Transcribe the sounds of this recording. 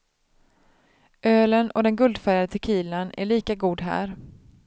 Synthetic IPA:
ʔøːlənʔɔ̰d̪ɛnɡɵld̪fæɾjad̪ət̪ʰɛkʰiːlanæ̰ɭiːkaɡuːd̪ɦæ̰ːɾ

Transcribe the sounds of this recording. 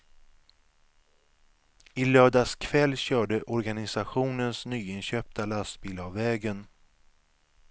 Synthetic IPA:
ɪlœːɖaskʰvɛlːɕœːɖəʔɔɾɡanɪsaɧuːnənsnyːɪnɕœːp̚t̪ʰalast̪biːlavːɛːɡən

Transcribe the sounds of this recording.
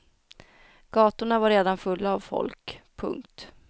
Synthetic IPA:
ɡ̥ɑːt̪ʊɳavaɾeːd̪anfɵlːaːvfɔ̰lkpʰɵ̰ŋkt̪

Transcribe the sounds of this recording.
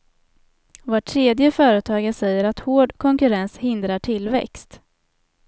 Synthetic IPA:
voːʈʰːɾeːd̪jəfœːɾət̪ʰɑːɡəsɛjːəɾat̪hoːɖkʰɔŋkɵɾɛnshɪnd̪ɾaʈʰɪlvɛ̰kst̪

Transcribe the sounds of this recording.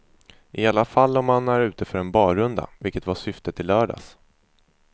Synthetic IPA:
ʔɪalːafalːɔmːanæɾʉ̟ːt̪əfœɾɛnbɑːɾɵnd̪a̰vɪlkət̪vaʂʏft̪ət̪ʰːɪlːœːɖa̰s

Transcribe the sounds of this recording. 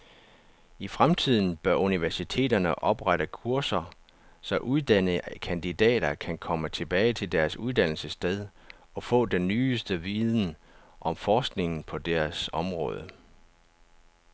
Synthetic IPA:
ifʁamt͡sʰið̞̰ˠn̩b̥ɶɐʔuniʋæɐsit͡sʰe̝̰ːdɐnəʔɒ̽b̥ʁaɾəkʰuɐsɐ | sɒ̽ʔuðˠd̥ænəkʰænd̥id̥ɛ̰ːɾɐkʰænkʰɒ̽mət͡sʰe̝b̥ɛːɪt͡sʰe̝ld̥æɐsuðˠd̥æn̰l̩səsd̥eð̞ˠ | ɒ̽fɔ̰̽ːd̥enːyːsd̥əʋiːðˠn̩ʔɒ̽mfɒːsɡ̥ne̝ŋn̩pʰɒ̽d̥æɐsɒ̽mʁɔ̰̽ːð̞ˠə

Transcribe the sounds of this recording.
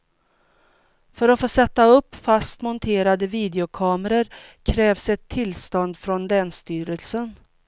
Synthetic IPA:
fœɾɔtfoːsɛt̪ːaɵpːfast̪mɔnt̪ʰeːɾad̪əviːd̪ɛʊkʰɑːməɾəɾkʰɾɛːvsɛt̪ʰːɪlst̪ɔnd̪fɾɔnlɛːnst̪yːɾəlsən

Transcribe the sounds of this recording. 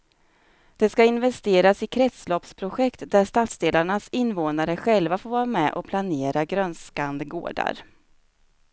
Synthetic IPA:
d̪̥ɛskaɪnvɛst̪eːɾasɪkʰɾɛt̪slɔpspʰɾʊɧɛkt̪d̪æʂt̪at̪sd̪eːlaɳasɪnːvoːnaɾəɧɛlvafoːɾvɑːɾamɛʔɔpʰlaneːɾaɡɾœnskand̪əɡo̰ːɖa̰ɾ

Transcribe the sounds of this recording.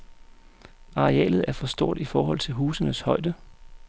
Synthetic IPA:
ɑ̈ʁeɛ̰ːlð̩ˠæɐfɒ̽sd̥o̝ɐ̰d̥ifɒːɦɒ̽l̰t͡sʰe̝lɦuːsənəshɒ̽ɪd̥ə

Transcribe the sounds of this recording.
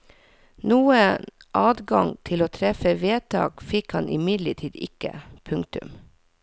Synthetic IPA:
nuːəʔɑːd̪ɡɑŋt̪ʰɪloːt̪ʰɾɛfəʋeːt̪ʰɑ̰ːɡ̥fɪkhɑnʔɪmɪd̪ləʈʰiːd̪ɪ̰kə̰pʰʉŋk̚t̪ʉ̰m

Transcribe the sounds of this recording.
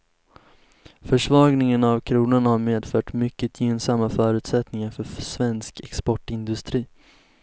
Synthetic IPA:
fœʂvɑːɡnɪŋənavkʰɾuːnaɳhaɾmeːd̪fœːʈmʏkːət̪ʰjeːnsamːafœːɾʉ̟ːt̪sɛt̪nɪŋaɾfœsvɛnskɛkspɔʈɪnd̪ɵst̪ɾiː

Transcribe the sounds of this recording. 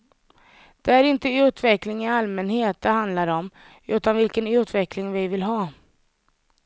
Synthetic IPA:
d̪̥ɛæɾɪnt̪əʉ̟ːt̪vɛklɪŋɪalmɛnheːt̪̚d̪ɛɦand̪laɾɔm | ʉ̟ːt̪anvɪlkənʉ̟ːt̪vɛklɪŋvɪvɪlɦɑː

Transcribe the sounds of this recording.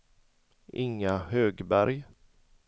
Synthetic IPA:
ʔɪŋːahøːɡbæɾj

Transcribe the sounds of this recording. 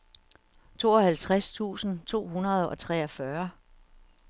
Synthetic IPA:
t͡sʰo̝ːɒ̽hælt͡sʰʁast͡sʰṵːsn̩t͡sʰo̝̰ːɦunɐð̞̩ˠɒ̽t͡sʰʁɛɒfɶɐ

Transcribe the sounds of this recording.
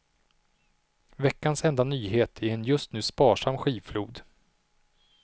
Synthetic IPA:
vɛkːansɛnd̪anyːɦeːt̪ʰæɾɛnjɵst̪nʉ̟ːspɑːʂamːɧiːfluːd̪

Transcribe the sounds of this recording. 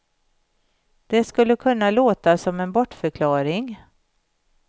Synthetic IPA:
d̪̥ɛskɵlːəkʰɵnːaloːt̪asɔmɛnbɔʈːfœɾkʰlɑːɾɪŋ

